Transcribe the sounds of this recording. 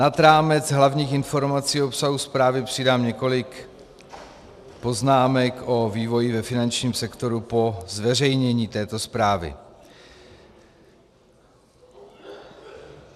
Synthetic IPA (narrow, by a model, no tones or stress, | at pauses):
nad̪ɾaːmɛd͡zɦlavɲiːxɪnfo̞ɾmat͡siːopsaɦuspɾaːvɪpr̝̥ɪdaːmɲɛko̞lɪk | po̞znaːmɛkʔo̞viːvo̞jɪvɛfɪnant͡ʃɲiːmsɛkt̪o̞ɾupo̞zvɛrɛjɲɛɲiːt̪ɛːt̪o̞spɾaːvɪ̰